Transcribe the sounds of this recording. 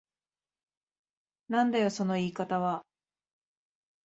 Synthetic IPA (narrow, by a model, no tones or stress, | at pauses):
nãnd̪ajo̞so̞no̞iːkat̪aβa